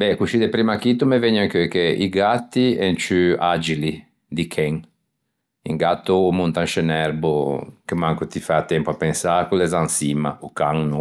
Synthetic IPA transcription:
bɛkuʃid̪ɛpɾimakit̪umevɛɲːaŋkøkeiɡat̪ːiɛnt͡ʃyad͡ʒili | d̪ikʰɛŋ | iŋɡat̪ːoːmunt̪anʃenɛɾbokemaŋkot̪ifat̪ɛmpoapɛnsakulɛzansima̰ukaŋno

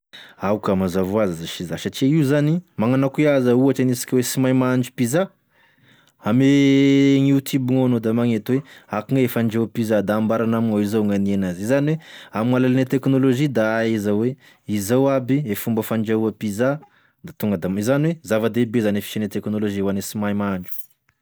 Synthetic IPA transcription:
awkamazavoazazaʃizaʃaʈ͡ʂiaiuzanimaŋanakweazauaʈ͡ʂanisi̥kʲawesimajmaaɳd͡ʒupiza | ameŋut̪ʰubiŋaanod̪amaŋet̪weakuŋeefaɳd͡ʒawapizad̪aːmbaɾanamiŋawizawŋanienazizaniweamiŋalalanet̪eknoloʒid̪aezawe | izawabiefumbəfaɳd͡ʒauapiza | d̪at̪uŋɡəd̪amizaniwezavad̪ebezanefi̥ʃanet̪eknoloʒiewanesimajmaɳd͡ʒu̥

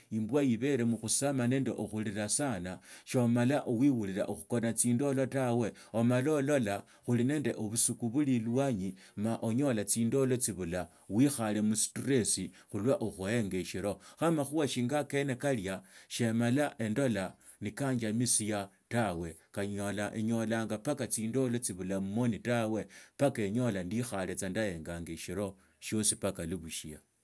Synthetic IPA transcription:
imbwajiβe̞ɾe̞muxusamane̞ːndḛʔoxuliɾasanaʃomalaʔowiwuliɾa̰ʔoxuko̞nat͡siːndo̞lo̞tawe̞ | omalolo̞la | xuline̞ːnde̞ʔoβusukuβulilwaɲimaʔoɲo̞lat͡siːndo̞lo̞t͡siβula | wixale̞musi̥tuɾesi | xulwaʔoxuhe̞ŋɡeʃiɾo̞xamaxuwaʃiːŋɡakene̞kaljaʃe̞malaʔe̞ndo̞la | nikaːɲd͡ʒamisija | tawe̞kaɲolaʔḛɲo̞laːŋɡapakat͡siːndo̞lo̞t͡siβulamumo̞nitawe̞pakeɲo̞landixale̞t͡sandaje̞ŋɡaːŋɡeʃiɾo̞ | ʃjo̞sipakaliβuʃia̰

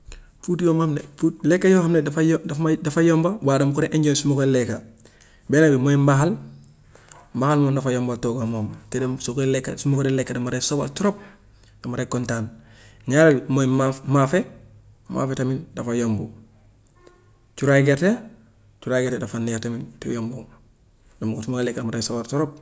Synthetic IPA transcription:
futjomamneulekːajoːhamnedfjdadafajombawaːdamukuɾeʔeɲɟoːnsumukoleka | benabimoimbaxal | mbahalmondafajoːmbatoɡamoːmtedasokolekːa̰sumukoɾelekːadamaɾesobatuɾop̚ | d̥amaɾekontaːnɲaɾelmoimamafe | ma̰ːfetamindafajombo | t͡ʃuɾaɡete | t͡ʃuɾaɡetedafanːiatamintejoːmbo | damsumuklekadamaɾesobatoɾop̚

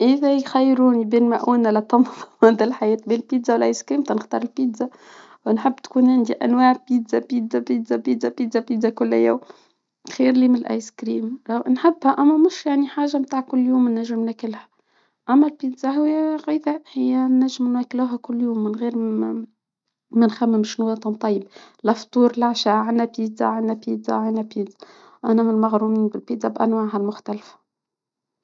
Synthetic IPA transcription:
ʔɪðæjxæjːɾuːnibeːnmæʔʔuːnalæt̪ˤːɑmðˤæd̪ælħajɛːt̪̚beːnlpiːd̪zawalʔajskɾiːmt̪ɑnɪxt̪ɑːɾˤɪlpiːd̪za | wnħɪbːt̪kuːnʕɪnd̪iʔæ̰nwaːʕpiːd̪zapiːd̪zapiːd̪zapiːd̪zapiːd̪zapiːd̪zakʊl̰ːjæ̰ːm | xiːɾlimɪnɪlʔa̰jskɾiːmawnħɪbːhæʔæmːæmʊʃjaʕniħaːʒːamt̪aːʕkʊlːjuːmnːæʒːɪmnækɪlhæ̥ | ʔæmːælpiːd̪zaɦʊwːæɣijd̪æʔhɪjːænːæʒːɪmnwækluːɦækʊlːjuːmːɪnɣiːɾ | mænxæmːɪmʃnwɑːt̪ˤɨnt̪ˤɑjːɪb | lɑft̪ˤuːɾlʕʃaːʕanːæpiːdza̰ʕanːæpiːd̪za̰ʕanːæpiːd̪ḁ | ʔænæmɪnmɑɣɾumiːnbɪlpiːd̪zabʔænwaːʕɦælmʊxt̪ælfæ̥

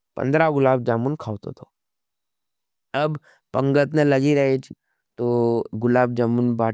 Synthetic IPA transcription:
pə̰nd̪ɾaɡʊlaːb̚d͡ʒaːmunkʰaːʋt̪o̰t̪ʰoː | ɐb | pə̃ŋɡət̪nelɐɡiɾɐɦet͡ʃʰ | t̪oɡʊlaːb̚d͡ʒaːmunbaː

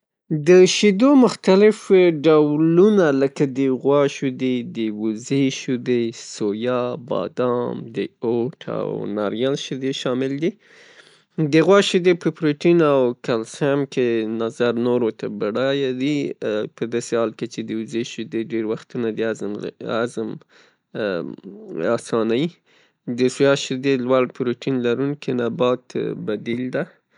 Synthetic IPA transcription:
d̪əʃid̪omʊxt̪alɪfɖawlunaləkad̪əɣwɑʃud̪ed̪əwuzeʃud̪esojɑbɑ̰d̪ɑmd̪əoʈʰa̰wnɑɾjalʃid̪eʃɑmɪld̪i | d̪əɣwɑʃid̪epəpɾoʈinawkalsamkenazaɾnoɾot̪abaɽɑjad̪ipəd̪ɑsehɑlket͡ʃed̪əuzeʃɪd̪eɖeɾwaxt̪unad̪əazazm | ɑsɑnaji | d̪əsujɑʃɪd̪elwaɽpɾoʈinlaɾunkenabɑt̪bad̪ild̪a

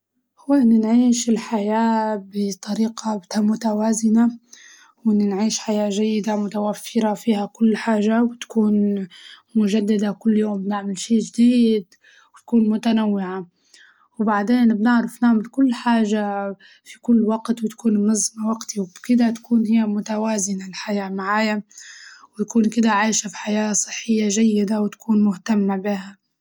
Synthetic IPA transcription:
hʊwːaʔnːɪnʕiːʃɪlħajaːbɪt̪ˤɑɾiːqʰɑbɪt̪amːʊt̪awaːzɪna | wɪnːɪnʕiːʃħajaːʒajːɪd̪amʊt̪awafːɪɾafiːhakʊlːħaːʒawɪt̪kuːn | mʊʒad̪ːad̪akʊlːjoːmbnɪʕmalʃeːʒd̪iːd̪ | wt̪ḁkuːnmʊt̪anawːɪʕa | wbaʕd̪eːnbnɪʕɾɪfnɪʕmalkʊlːħaːʒa | fikʊlːwaɡt̪wɪt̪ḁkuːnnɨzˤmawaɡt̪iwbkɪd̪at̪ḁkuːnhijːamʊt̪awaːzɪnalħajaːmaʕaːja | wt̪akuːnkɪd̪aʕaːʃafi̥ħajaːsˤɨ̥ħːɪjːaʒajːɪd̪awɪt̪ḁkuːnmʊht̪amːabɪha

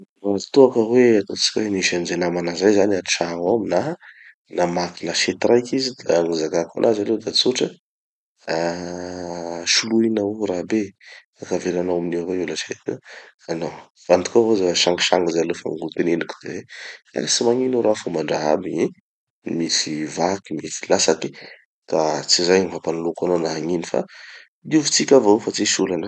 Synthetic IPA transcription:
rat̪uakəweat̪ot͡si̥kʲweniʃanizenamanazajzanaʈ͡ʂaɦaminaɦa | namakilaʃet̪irajkizid̪aŋuzakakʰa̰nʔazaled̪at͡suʈ͡ʂə | a | ʃuluinauɾabe | akavelanawamineweulaʃet̪i | ano | vant̪u̥kavozaʃaŋɡiʃaŋɡizalefa̰ŋɡult̪eneniki̥d̪̥ezea̰simaŋinoɾafumaɳɖ͡ʐaɦa̰bii | misivakimisilasaki̥ | kat͡sizajniɦapanlukanonaɦaŋinifa̰ | iuvu̥t͡sikʲavoofat͡siʃulanə

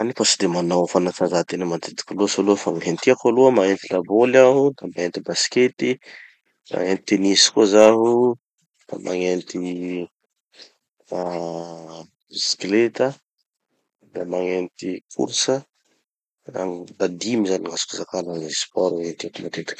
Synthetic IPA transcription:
anifasid̪emanawafanat͡sazat̪enəmat̪et̪i̥kʲaluəsoluəfamaɦent̪iakaluəmaŋent̪ilabolaɦud̪amaent̪ibasket̪i | a̰ŋent̪t̪enisi̥kuəzaɦu | d̪̥a̰mʔa̰ŋent̪i | a | isklet̪ə | d̪amaŋent̪ikʰṵɾsə | a̰d̪ad̪imizaniŋasu̥kuzakanənispɔɾwet̪iak̪uma̰t̪et̪i̥k

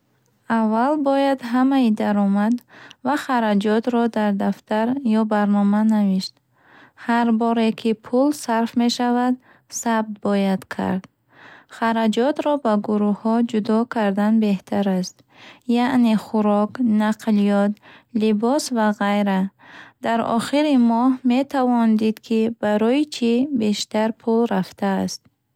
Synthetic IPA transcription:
avːalbɔjad̪ɦamaid̪aɾɔmad̪vaχaɾad͡ʒɔt̪ɾɔd̪aɾd̪aft̪ʰaɾjɔbaɾnɔmanaviʃt̪ | haɾbɔɾe̞kʰipʰulsaɾfme̞ʃavad̪ | sab̚t̪̚bɔjad̪̥kʰa̰ɾd̪̥ | χaɾad͡ʒɔt̪ɾɔbaɡuɾuhɔd͡ʒud̪ɔkʰaɾd̪anbe̞ht̪ʰaɾast̪ | jaʔneχuɾɔknaqʰlijɔt̪libɔsvaʁajɾad̪aɾɔ̰χiɾimɔhme̞t̪ʰavɔnd̪id̪kʰibaɾɔjit͡ʃʰibe̞ʃt̪aɾpʰulɾaft̪ʰaːst̪̚

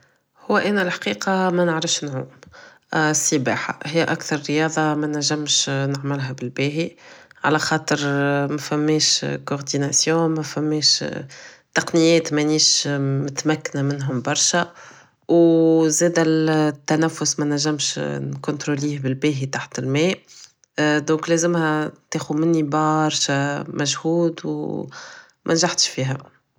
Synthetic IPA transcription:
hʊwːæʔænælħḁqiːqɑmænəʕɾɪfʃnʕuːm | sibaːħa̰hɪjːʔækθɑɾˤɾəjɑːðˤɑmænæʒːæmʃnaʕmɪlɦæbɪlbɛːɦiʕalæxɑːt̪ˤəɾmæfæmːɛːʃkoʁd̪inasjɔ̃mæfæmːɛːʃ | t̪ːɑqnɪjːɛːt̪mæniːʃmɪt̪mækːnamɪnɦʊmbɑɾˤʃæ | wzɛːd̪æt̪ːænæfːʊsmænæʒːæmʃnkʊnt̪ɾoliːhbɪlbɛːɦit̪aħt̪ɪlmɛː | d̪ɔ̃ːklɛzɪmhɛt̪ɛːxumɪnːibɑɾˤʃamʔæʒhuːd̪w | mʔænʒaħt̪ʃfiːɦæ

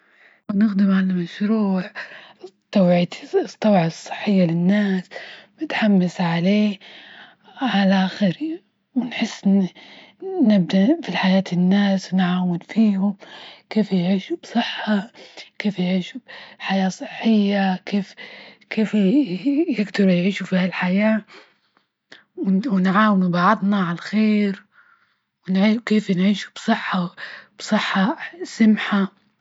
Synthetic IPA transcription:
wɪnɪxd̪ɪmʕalamaʃɾuːʕ | t̪ˤːɑwʕit̪t̪ˤːɑwʕɑsˤːɨ̥ħːɪjːalɪnːaːsmɪt̪ħamːasʕaleː | ʕalaʔaxɪɾi | wɪnħɪsːʔɪnː | nɪb̚d̪afiħajaːt̪ɪnːaːsnʕaːwɪnfiːhʊmkeːfjʕiːʃubsˤɨħːakeːfjʕiːʃubħajaːsˤɨħːɪjːakeːfkeːf | jɪɡd̪ɑɾjʕiːʃufiːhalħajaː | wwɪnʕaːwɪnubɑʕɑd̪ˤnaʕalaxeːɾ | wɪnʕiːkeːfnʕiːʃu̥b̥sˤɨħːɑb̥sˤɨħːɑsamħa

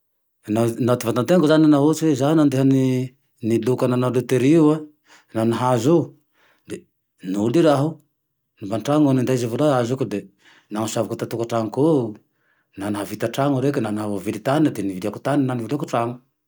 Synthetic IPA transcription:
nanat̪ivant̪ant̪eŋkuzananaɦot͡siwezannand̪eɦani | nilukananalut̪eɾiua | naniɦazo | d̪e | nuliɾaɦu | nivanʈ͡ʂaŋanind̪ajzevoloazukud̪e | naŋusavakut̪at̪ukaʈ͡ʂaŋko | naniɦavit̪aʈ͡ʂaŋuɾekinaniɦavovilit̪aniəd̪eniviliaku̥t̪aninanivilekuʈ͡ʂaŋu

